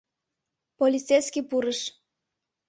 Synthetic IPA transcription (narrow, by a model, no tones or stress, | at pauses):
polʲit͡sejskʲipuɾəʃ